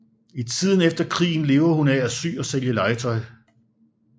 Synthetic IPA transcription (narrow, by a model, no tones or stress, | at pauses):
it͡sʰið̰ˠn̩efd̥ɐkʰʁḭːn̩le̝ːʊɐhunææsy̰ːɒ̽seljəlɑ̈ɪt͡sʰɒ̽ɪ